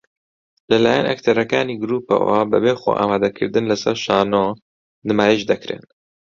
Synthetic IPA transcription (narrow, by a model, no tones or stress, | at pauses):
lɨlaːjɛ̰nʔa̰kt̪ʰaɾɐkaːniːɡɨɾuːpa̰wa̰bɨbeːxo̰ʔa̰ːmaːd̪ɐkʰɨɾd̪ɨnlɨsɛɾʃaːnoː | nɨmaːjeʃd̪ɛkɾḛn